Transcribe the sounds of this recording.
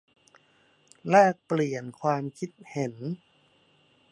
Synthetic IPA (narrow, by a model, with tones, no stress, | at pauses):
lɛː˥˩k̚pli˨˩ənkʰwaː˧mkʰi˦˥t̪̚he˩˦n